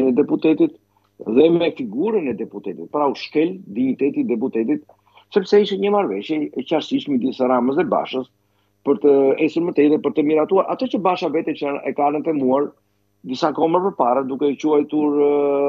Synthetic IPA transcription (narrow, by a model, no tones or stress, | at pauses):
nɛd̪ɛput̪ɛt̪it̪ | ðɛmɛfiɡuɾənɛd̪ɛput̪ɛt̪it̪̚pɾauʃkɛld̪iɲit̪ɛt̪id̪ɛput̪ɛt̪̬it̪̚ | sɛpsɛiʃɛnɲəmaɾvɛʃjɛɛcaɾsiʃmɛd̪isaɾaməs̬ɛba̰ʃəs | pəɾt̪əɛsuɾmət̪ɛt̪ɛpəɾt̪əmiɾat̪uaɾʔa̰t̪ɔt͡ɕəbaʃavɛt̪ɛt͡ʃanɛ̰kanət̪ɛmuaɾ | d̪isakɔmɾpəɾpaɾəd̪ukɛt͡ɕuajt̪uɾ